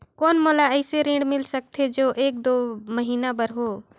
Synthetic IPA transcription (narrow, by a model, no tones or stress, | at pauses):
koːnmoːlaɛɪseɾĩːɳɖmɪlsək̚t̪ʰed͡ʒoːʔeːk̚d̪oːməɦiːnabəɾɦoː